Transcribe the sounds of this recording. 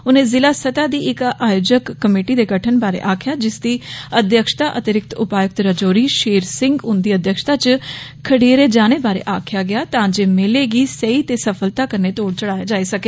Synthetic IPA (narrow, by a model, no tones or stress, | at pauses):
ʊnẽːzɪlaːsət̪aːd̪iːʔɪkaːjoːd͡ʒəkːəmeːʈiːd̪eːɡəʈʰənbaːɾḛːʔaːkʰɪjaːd͡ʒɪsd̪iːəd̪jəkʃt̪aːʔət̪ɪɾɪk̚t̪ʊpaːjʊk̚t̪ɾəd͡ʒoːɾiːʃeːɾsɪ̃ŋɡʊnd̪iːəd̪jəkʃt̪aːt͡ʃkʰəɽeːɾeːd͡ʒaːñeːbaːɾḛːʔaːkʰɪjaːɡɪjaːt̪ãːd͡ʒeːmɪleːɡiːsəiːt̪eːsəpʰəlt̪aːkəɾneːt̪oːɽt͡ʃəɽaːjaːd͡ʒaːiːsəkeː